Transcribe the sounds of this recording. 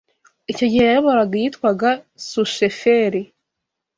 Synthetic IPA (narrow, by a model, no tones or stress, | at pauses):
ico̞ɟihejajoβoɾaɡajitkwaɡa | suʃefeɾi